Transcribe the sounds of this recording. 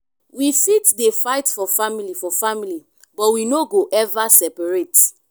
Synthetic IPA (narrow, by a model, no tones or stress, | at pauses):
wifitdefaɪtfɔfamilifɔfamili | bɔtwinoɡoʔɛvasɛpaɹet